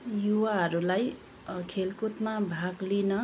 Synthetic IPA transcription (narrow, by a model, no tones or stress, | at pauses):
juwaɦʌɾulaj | kʰelkut̪mabʱaɡlinʌ